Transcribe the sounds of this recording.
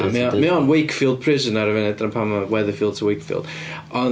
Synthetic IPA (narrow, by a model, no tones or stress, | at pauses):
mimɪɔnwikfiːlˠd̚pʰr̥ɪzənaɾəvɛnɛdnəpʰaməwɛðəfiːlˠd̚tʰəwikfḭlˠd̥ | ɔn